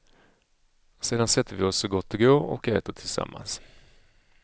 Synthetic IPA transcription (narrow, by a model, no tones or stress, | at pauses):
seːd̪ansɛt̪ʰːəɾvɪɔsːɔɡɔt̪ːɪɡoːɾɔ̰kɛːt̪əʈʰɪlsa̰mːa̰ns